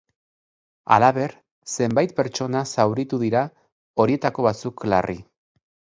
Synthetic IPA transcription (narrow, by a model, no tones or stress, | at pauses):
a̰laβe̞ɾ | se̞mbajt̪̚pe̞ɾt͡ʃo̞nasawɾit̪uðiɾa | o̞ɾie̞t̪ako̞β̞at͡sukla̰rʔi